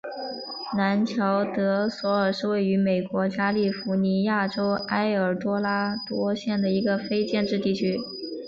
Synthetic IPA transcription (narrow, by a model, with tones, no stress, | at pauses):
na˧˥nt͡ɕʰjɑ˧˥ʊt̪ɤ˧˥swɔ˧˥ə˞˨˩ʂɻ̩˥˧we˥˩ɪy˧˥me˨˩ɪkwɔ˧˥t͡ɕja˥li˥˩fu˧˥ni˧˥ja˥˩ʈ͡ʂo˥ʊa˥ɪə˞˨˩t̪wɔ˥la˥t̪wɔ˥ɕjɛ˥˩nd̪ə˩i˧˥ɡə˧fe˥ɪt͡ɕjɛ˥˧nʈ͡ʂɻ̩˥˧t̪i˥˩t͡ɕʰy˥